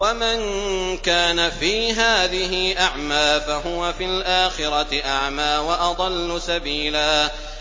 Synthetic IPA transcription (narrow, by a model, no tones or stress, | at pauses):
wamankaːnafiːɦaːðɪɦɪʔaʕmaːfaɦʊwafilʔaːxɪɾɑtɪʔaʕmaːwaʔɑd̪ˤɑlːʊsabiːlaː